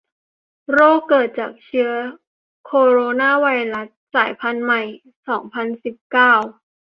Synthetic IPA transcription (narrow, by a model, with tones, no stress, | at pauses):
ɾoː˥˩kːɤː˨˩t̪̚t͡ɕaː˨˩k̚t͡ɕʰɯ˦˥ɐ | kʰoː˧ɾoː˧naː˥˩wa˧jɾa˦˥s̚saː˩˦jpʰa˧nma˨˩j | sɔː˩˦ŋpʰa˧nsi˨˩p̚kaː˥˩w